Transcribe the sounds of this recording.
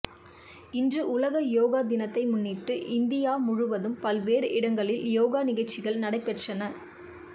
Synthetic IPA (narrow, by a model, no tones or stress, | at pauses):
ɪndrɯʔʊlɐɣɐjoːɣaːd̪ɪnɐt̪ːɐɪmʊnːiːʈːɯʔɪnd̪ɪjaːmʊɻʊʋɐðɯmpɐlʋeːɾɪɽɐŋɡɐɭɪljoːɣaːnɪɣɐɭt͡ʃːɪɣɐɭnɐɽɐɪpːɛʈrɐnɐ